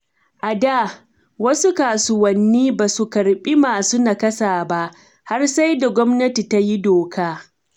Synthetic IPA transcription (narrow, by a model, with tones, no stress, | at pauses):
ʔa˨da˦˨ | wɐ˦su˦kaː˨sʊ˨wɐ˨nːiː˦baː˨su˨kɐ˨ɽɓʼi˦maː˨su˦na˨kɐ˦saː˨ba˦ʔ | ha˦rsa˦jda˨ɡʷɔ˦mnɐ˦ti˨ta˦ji˦doː˨kaː˦